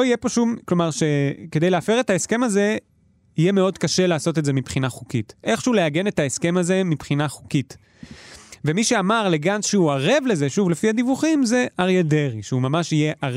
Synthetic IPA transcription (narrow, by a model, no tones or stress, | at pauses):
oijepoʃumklo̞maʁʃeke̞de̞jleafeʁe̞taeske̞maze̞ | ije̞meo̞dkaʃe̞laːso̞tetzemipχinaχukitʔe̞χʃeuleaɡe̞ne̞taeske̞maze̞mipχinaχukit | vemiʃeamaʁleɡansʃeuaʁe̞vlezeʃuvle̞fihadivuχimze̞ʔaʁjedeʁiʃeumamaʃijeʔa